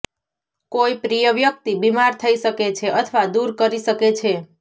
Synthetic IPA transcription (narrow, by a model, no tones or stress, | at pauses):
koipɾijəʋjək̚t̪ibimaɾt̪ʰəiʃəket͡ʃʰeʔət̪ʰəʋad̪uɾkəɾiʃəket͡ʃʰe